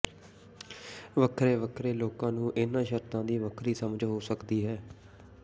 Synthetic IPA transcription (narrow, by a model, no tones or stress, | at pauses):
ʋəkʰɾeːʋəkʰɾeːloːkãːnũːʔɪnãːʃəɾt̪ãːd̪iːʋəkʰɾiːsəməd͡ʒɦoːsəkd̪iːɦɛː